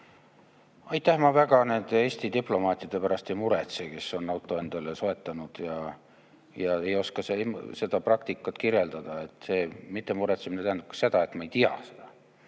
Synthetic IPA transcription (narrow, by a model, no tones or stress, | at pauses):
ɑjt̪ːæhmɑvæɡ̥ɑne̞nd̪̥eeːsʲt̪id̪iplo̞mɑːt̪ʲˑjɑd̪̥e̞pæɾɑst̪emuɾet̪seke̞so̞nːɑwt̪ːˑo̞e̞nd̪̥ɑleso̞e̞t̪ˑːɑnud̪̥jɑ | jɑe̞jo̞skɑsemse̞d̪̥ɑprɑk̚t̪ikːˑɑt̪kirje̞ld̪̥ɑd̪̥ɑe̞t̪ːˑse̞ːmit̪ˑːe̞muɾet̪seminet̪æhend̪upkɑ̥se̞d̪̥ɑe̞t̪mɑejt̪iɑ̰se̞̥d̪̥ɑ